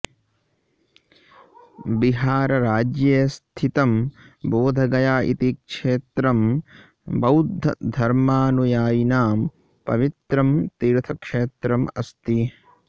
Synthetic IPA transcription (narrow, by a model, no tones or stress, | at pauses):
biɦaːɾɐɾaːd͡ʒjɐst̪ʰit̪ɐmboːd̪ʱɐɡɐjaːʔḭt̪ikʂeːt̪ɾɐm | bɐwd̪ʱːɐd̪ʱɐɾmaːnujaːjinaːm | pɐ̰ʋit̪ɾɐmt̪iːɾt̪ʰɐkʂeːt̪ɾɐmɐst̪i